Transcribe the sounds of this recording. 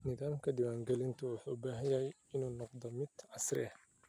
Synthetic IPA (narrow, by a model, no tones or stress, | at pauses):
nɪðaːmkʰɐd̪ɪwaːŋɡɛlɪnt̪ʰʊwʊħuːbaːɦɐjɐɦɛj | ɪnuːnɔqd̪ɔmɪd̪̥ʕɑsrɪ̰ɐh